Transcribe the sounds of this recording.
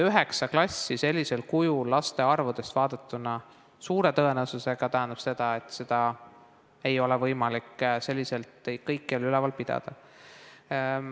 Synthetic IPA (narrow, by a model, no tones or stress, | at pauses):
yɦe̞ksɑklɑsːise̞lʲːise̞lkujulːɑst̪e̞ɑrvud̪̥e̞st̪vɑːd̪̥ɑt̪ːˑunɑ | suːɾe̞t̪ɤe̞newsuse̞ɡ̥ɑt̪æɦɛnd̪ɑ̥b̥se̞d̪̥ɑe̞t̪ːˑse̞d̪̥ɑ | e̞jo̞le̞vɤ̞jmɑlikːse̞lʲːise̞lt̪ejkɤjkːelylɛvɑlpid̪̥ɑ̰d̪̥ɑ̰